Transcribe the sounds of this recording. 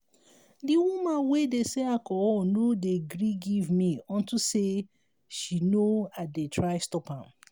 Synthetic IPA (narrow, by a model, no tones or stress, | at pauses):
diwumãnwedeseakɔɔnodeɡɾiɡivmiɔ̃ntuse | ʃinoadetʰɹaɪstɔphãm